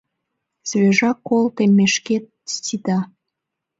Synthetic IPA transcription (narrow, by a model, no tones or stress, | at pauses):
z̥βeʒɑkːolt̪emːeʃket̪̚stʲid̪ɑ